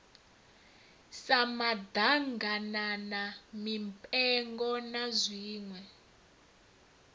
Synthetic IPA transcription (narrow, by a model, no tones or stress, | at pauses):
samad̪aŋɡananamimpʼɛŋɡɔnazʷiːŋwɛ